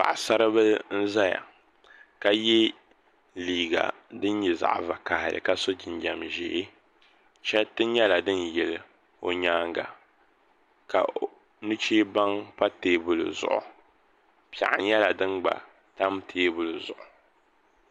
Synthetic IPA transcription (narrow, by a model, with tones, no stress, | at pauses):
pa̰˨ʔsa˦ɾɨ˦bɨ˦n̩˦za˦ja̰˨ | ka˨jɛ˦ | liː˨ɡa̰˨ | dɨ˦n˦ɲɛ˨za̰˨ʔva˨ka˨hɪ˨lɨ̰˨ka˦so˦d͡ʒi˨nd͡ʒa˨mʒḛ˨˦ | t͡ʃɛ˦tɨ˦ɲɛ˦la˨dɨ˦njɛ˨l | o˨ɲaː˦ŋɡa˨ | ka̰˨ | nɨ˦t͡ʃeː˦ba˦ŋpa˦teː˨bʊ˨lɨ̰˨zʊ̰˨ʔʊ̰˨ | pi˨a̰˨ʔɪ̰˨ɲɛ˦la˨dɨ˦nɡ͡ba̰˨ | ta˦mtʰeː˦bʊ˨lɨ˨zʊ˨ʔʊ˨